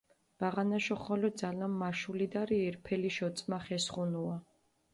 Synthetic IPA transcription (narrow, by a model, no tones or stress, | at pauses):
b̥aʁanaʃɔχɔlɔd̪zalamːaʃulid̪aɾiɛɾpʰɛliʃɔt̪sʼmaχɛsχunua